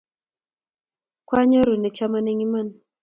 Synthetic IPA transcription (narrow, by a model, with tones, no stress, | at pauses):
kwa˦ɲa˦ɾu˨ne˨t͡ʃa˦ma˦ne˦ɲi˦ma˦n˨